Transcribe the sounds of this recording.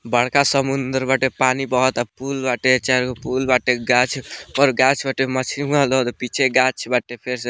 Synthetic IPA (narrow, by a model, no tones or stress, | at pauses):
bəɽkasəmund̪əɾbaʈepanibəɦɔt̪apulbaʈet͡ʃaɾkpulbaʈeɡat͡ʃʰpəɾɡat͡ʃʰbaʈeməsʰikald̪ɔt̪pit͡ʃʰeɡat͡ʃʰbaʈepʰeɾse